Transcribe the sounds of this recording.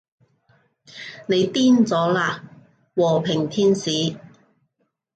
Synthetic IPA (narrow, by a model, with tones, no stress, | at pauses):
ne˨˧jt̪iː˥nt͡sɔː˨˥laː˧ | wɔː˨˩pʰɪ˨˩ŋt̪ʰiː˥nsiː˨˥